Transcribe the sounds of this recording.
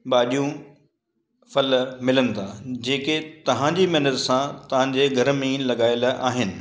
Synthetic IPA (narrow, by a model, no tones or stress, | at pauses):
ɓaːɗijũ | fɐlmɪlənɪ̆t̪ʰad͡ʑeːket̪ɐʋ̤ãɲd͡ʑimɛːnət̪sãt̪ɐʋ̤ãɲd͡ʑeːɡʱɐɾmẽlɐɠaːɪlaːɦɪnɪ̆